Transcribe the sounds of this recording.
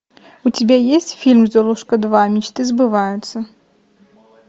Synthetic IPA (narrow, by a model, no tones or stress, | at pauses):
ʊtʲɪbʲajesʲtʲfʲilʲmzɔlˠuʂkəd̪vamʲɪt͡ɕt̪ɨzbɨvajʊt̪sə